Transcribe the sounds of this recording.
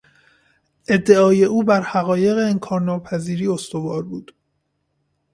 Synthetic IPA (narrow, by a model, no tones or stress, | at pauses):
ʔe̞d̪ːe̞ɒːje̞ʔuːbæɾhæɣɒːje̞ɣeːnkʰɒːɾnɒːpʰæziːɾiːo̞st̪o̞vɒːɾbuːd̪̥